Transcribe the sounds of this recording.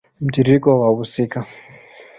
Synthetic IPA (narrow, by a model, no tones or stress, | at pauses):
m̩tiɾikɔwaβusika